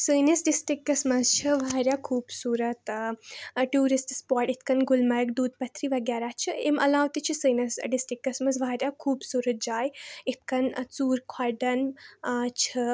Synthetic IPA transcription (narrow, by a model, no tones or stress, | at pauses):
səːnɐsɖisʈɾikːɐsmɐzt͡ʃʰɐʋaːɾjaːkʰuːbsuːɾɐt̪ | ʈjuːɾisʈspoːɾʈit̪ʰkɐnɡʊlmɐɾɡd̪uːd̪pɐt̪ʰɾiʋɐɡʲjaːɾaːt͡ʃʰɨemʔɐ̰laːʋt̪it͡ʃʰisəːjnɐsɖisʈɾikːɐsmɐzʋaːɾʲjakʰuːbsuːɾɐt̪̚d͡ʒaːjit̪̚ʰkɐnt͡suːɾkʰaɖɐn | t͡ʃʰɐ